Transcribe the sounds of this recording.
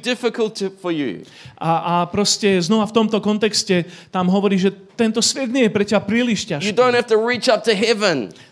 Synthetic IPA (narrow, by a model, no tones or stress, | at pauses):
dɪfɪkəl̩ˠtʰfəjʉ̰ | aapɾɔscɛznɔʋaft̪ɔmt̪ɔkɔnt̪ɛkscɛt̪amɦɔʋɔɾiːʒɛt̪ɛnt̪ɔsʋɛd̪ɲɪɛjɛpɾɛcɛbapɾiːliʃcaʃjɨdõʊ̃nhæftəɹit͡ʃʌp̚tɨɦɛvə̃n